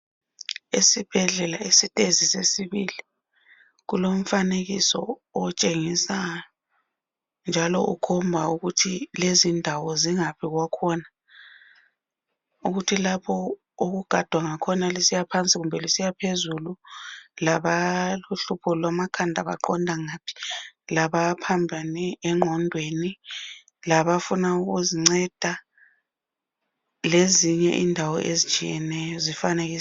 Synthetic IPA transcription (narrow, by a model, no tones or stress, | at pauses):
esib̥ʱɛɮɛlaesitʼezisesiβili | ɣulom̩faneɣisɔːt͡ʃʼeŋisajɔ | nd͡ʒʱalɔʔṵkʰɔmbʱauɣutʰilezindʱawɔziŋapʰiɣwakʰɔna | uɣutʰilapʰɔ | uɣuɡ̥ʱad̥ʱwaŋakʰɔnalisijapʰant͡sʼiɣumbʱɛlisijapʰezululaβaluɬupʰɔlwamakʰandʱaβa̰ǃɔndʱaŋaːpʰi̥laβapʰambʱanɛɛŋ͡ǃʱɔndʱweni | laβafunauɣuziŋ͡ǀɛd̥ʱa | leziɲɛ̰ʔḭndʱawɔ̰ʔezit͡ʃʼḭjɛnɛjɔzifaneɣiː